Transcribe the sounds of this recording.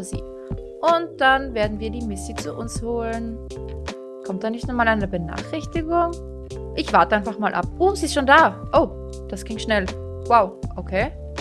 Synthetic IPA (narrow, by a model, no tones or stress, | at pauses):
zḭː | ʔʊnt̚d̥anveːɐdn̩viːɐdiːmɪsit͡suʔʊnshoːlən | kʰɔmt̚d̥aːnɪçtnʊmaːlaɪnəɐbəna̰ːχʁ̥ɪçtɪɡʊŋ | ʔɪçv̥aɐtəʔaɪnfaχmaːlʔa̰p̚ʔuːmziːɪstʃoːndaːʔoʊ | d̥asɡ̥ɪŋʃnɛl | waʊʔokʰeː